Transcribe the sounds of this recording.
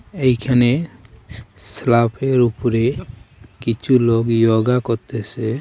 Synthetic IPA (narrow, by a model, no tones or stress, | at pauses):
ejkʰane | slapʰeɾupɾe | kit͡ʃʰuloɡjoɡakɔt̪ɛsɛ